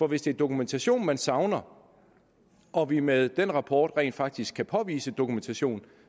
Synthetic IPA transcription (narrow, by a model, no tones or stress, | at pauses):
fɒ̽ʋe̝sd̥e̝æɐd̥o̝kument͡sʰæɕo̝̰ːnmænsɑ̈ʊnɐ | ʔɒ̽ʋimeðˠd̥enʁɑ̈pʰɒ̰ːd̥ʁɛ̰ːnd̥fɑ̈ɡ̥̚d̥isɡ̥kʰːæpʰɒ̽ʋḭːsəd̥o̝kument͡sʰæɕo̝̰ːn